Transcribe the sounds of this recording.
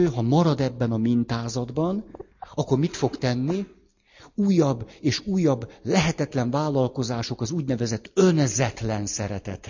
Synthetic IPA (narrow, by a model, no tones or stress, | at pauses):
øːɦɒmɒɾɒd̪ɛbːɛnɒmint̪aːzɒd̪bɒn | ɒkːo̞rmit̪fo̞kt̪ɛnːi | uːjːɒbːeːʃuːjːɒbːlɛɦɛt̪ɛt̪lɛɱvaːlːɒlko̞zaːʃo̞kɒzuːɟnɛvɛzɛt̪ːø̞nzɛt̪lɛnsɛɾɛt̪ɛt̪